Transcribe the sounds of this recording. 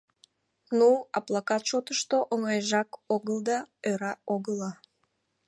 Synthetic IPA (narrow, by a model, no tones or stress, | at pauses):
nuɑplˠakɑt̪ʃot̪əʃt̪oʔoŋɑjʒɑkoɣəld̪ɑøɾɑoɣəlɑ